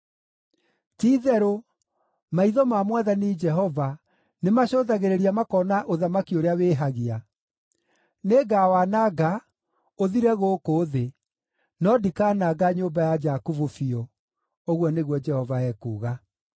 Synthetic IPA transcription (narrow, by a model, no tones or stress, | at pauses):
tiːðɛɾo | maiðɔmamwaðanid͡ʒɛɦɔva | nemaɕoðaɣeɾeɾiamakɔːnaʔoðamakioɾeaweːɦaɣia | neɡawanaɡa | oðiɾɛɣoːkoːðe | nɔdikanaɡaɲombajad͡ʒakuvufiɔ | oɣwɔneɣwɔd͡ʒɛhɔvaɛːkṵːɣa